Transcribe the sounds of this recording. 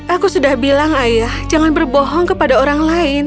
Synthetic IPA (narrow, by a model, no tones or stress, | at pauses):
ʔakusudahbilaŋajahd͡ʒaŋanbərbɔɦɔŋkəpadaoɾaŋlaɪn